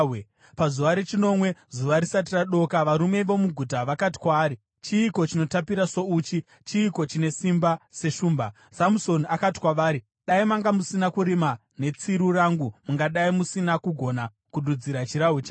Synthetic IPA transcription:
pazuʋaɾet͡ʃino̞mwe̞zuʋaɾisat̬iraɗo̞kaʋaɾume̞ʋo̞muɡʱutaʋakati̥kwaːɾi | t͡ʃiːko̞t͡ʃino̞tapiɾaso̞uːt͡ʃi | t͡ʃiːko̞t͡ʃine̞simbase̞ʃuːmba | samuso̞nakati̥kwaʋaːɾi | ɗaimaŋɡamusinakuɾima | ne̞t͡siɾuraŋɡumuŋɡaɗaimusinakuɡʱo̞na | kuɗud͡ziɾat͡ʃiɾaɦwet͡ʃa

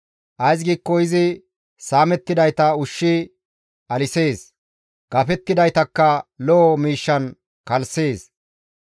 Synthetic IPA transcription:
ʔɐjs̬ɡiːkːɔɪzɪ | saːmɛt̪ːɪd̪ɐjt̪ɐʊʃːɪ | ɐlɪse̞ːs | ɡ̥ɐfɛt̪ːɪd̪ɐjt̪ɐkːɐlɔʔːmiːʃːɐn | kɐlse̞ːs

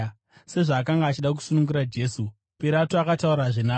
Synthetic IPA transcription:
se̞ʐaːk̬aŋɡaːt͡ʃiɗak̬u̥sunuŋɡuɾad͡ʒe̞su | piɾatoakatauɾaʐina

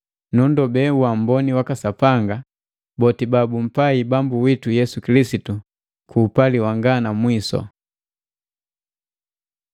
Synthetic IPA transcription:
nundɔbɛwam̩bɔniwakasapaŋɡa | bɔtibabum̩paibambuwitujɛsukilisitu | kʰuːpaliwaŋɡanamwisɔ̰

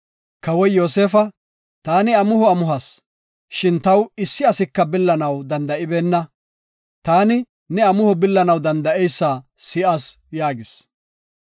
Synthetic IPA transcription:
kɐwɔjjoːseːfɐ | t̪aːnɪɐmʊhɔɐmʊɦɐs | ʃɪnt̪ɐwɪsːɪɐsɪkːɐbɪlːɐnɐwd̪ɐnd̪ɐʔɪbɛnːɐ | t̪aːnɪ | nɛɐmʊhɔbɪlːɐnɐwd̪ɐnd̪ɐʔɛjsːaːsɪʔasjaːɡɪs

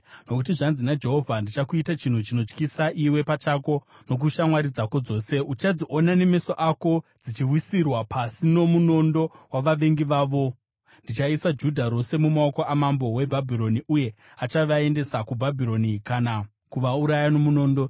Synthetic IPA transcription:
no̞kutiʐanzinad͡ʒe̞ɦo̞vʱandit͡ʃakuitat͡ʃin̤ut͡ʃino̞t͡ʃkisaʔiwe̞pat͡ʃako̞ | no̞k̬uʃamwaɾid͡zako̞d͡zo̞ːse̞ut͡ʃad͡ziʔo̞nane̞me̞soʔako̞d͡zit͡ʃiwisirwapʰasino̞muno̞ndo̞waʋaʋe̞ŋɡiʋaːʋo̞ | ndit͡ʃaisad͡ʒudʱaɾo̞se̞mumaoko̞ʔamambo̞we̞bʱabʱiɾo̞niʔuje̞ | at͡ʃaʋae̞nde̞sakubʱabʱiɾo̞nikana | kuʋauɾajano̞muno̞ːndo̞

